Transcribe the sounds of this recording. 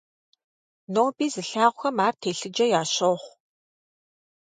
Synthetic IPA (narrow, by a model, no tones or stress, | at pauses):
noːbiːzɨɬaːʁʷʊxɐmaːrtʰeːɬɨd͡ʒɐjaːɕoːχʷ